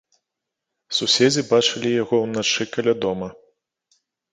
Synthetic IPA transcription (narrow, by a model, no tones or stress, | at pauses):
susʲed͡zʲibat͡ʂɐlʲijaɣɔwnat͡ʂɨkɐlʲad̪ɔmɐ